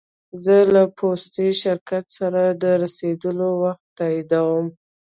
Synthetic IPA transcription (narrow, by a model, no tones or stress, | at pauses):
zəlapʰost̪iʃɪɾkat̪saɾad̪əɾased̪əlowaxt̪ːɑid̪awəm